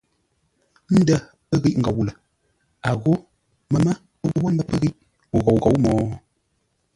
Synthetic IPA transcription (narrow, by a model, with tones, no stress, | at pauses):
n̩˦də˦ | ə˦ɣi˦ʔŋ̩˨ɡa˨wu˨lə˨ | a˨ɣo˦ | mə˦mə˦ | ə˦wo˦wo˦n˦də˦pə˦ɣi˦ʔ | u˨ɣo˨wɣo˨˦wmɔː˨˦